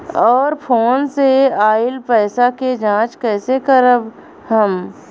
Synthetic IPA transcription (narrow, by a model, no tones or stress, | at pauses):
ɔːɾpʰoːnseaːɪlpɛːsaked͡ʒãːt͡ʃkɛːsekəɾəb | ɦəm